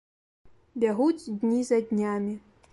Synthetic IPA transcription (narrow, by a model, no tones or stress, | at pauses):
bʲaɣut͡sʲd̪ʲnʲizɐdʲnʲamʲi